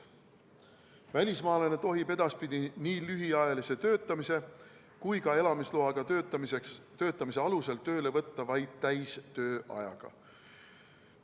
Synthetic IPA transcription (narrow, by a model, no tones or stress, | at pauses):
vælʲismɑːlenet̪o̞ɦibe̞d̪̥ɑspid̪iniːlyɦiɑjɑlise̞t̪øːt̪ˑːɑmise̞ | kujkɑe̞lɑmisloɑɡ̥ɑekst̪ø̞ːt̪ːˑɑmis̬eɑluse̞lt̪ø̞ːle̞vɤt̪ːɑvɑjd̪̥̚t̪æjst̪ø̞ːʔɑ̰jɑ̰ɡ̥ɑ̰